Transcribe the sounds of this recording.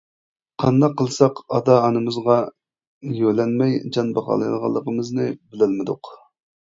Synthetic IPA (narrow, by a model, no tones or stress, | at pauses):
qʰɑnd̪ɑqʰːəlˠsɑqɑd̪ɑːnɨmɨzʁɑ | jølɛnmɛjd͡ʒɑnbɑχɑ̰ːlˠɨjlˠʁɑ̰lˠːəqəmɨznɨbɪlɪlmɪd̪ʊq